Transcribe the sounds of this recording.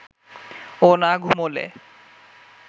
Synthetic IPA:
onaɡʱumolḛ

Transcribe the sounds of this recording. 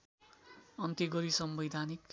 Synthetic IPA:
ʌnt̪iɡʌɾisʌmbʌjd̪ʱanik

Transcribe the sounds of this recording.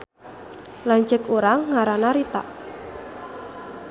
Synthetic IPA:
lant͡ʃəkuɾaŋːaɾanaɾit̪a̰ʔ

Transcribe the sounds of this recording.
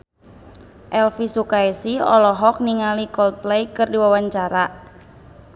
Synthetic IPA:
ʔɛlfisukaesiɔ̰lɔɦɔk̚niŋalikɔlt̪̚plɛjkɨrdiwawaɲt͡ʃaɾa

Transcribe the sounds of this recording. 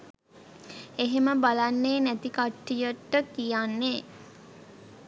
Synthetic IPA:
eɦeməbalanːeːnæt̪ikaʈːijəʈːəkijanːe

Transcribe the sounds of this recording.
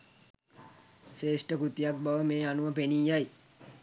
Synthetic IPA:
ʃeːʂʈəkut̪ijak̚baʋəmeːanuʋəpeniːjːaj

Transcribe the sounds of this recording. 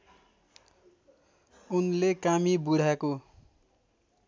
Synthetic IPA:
unlekamibuɽ̤ʱako

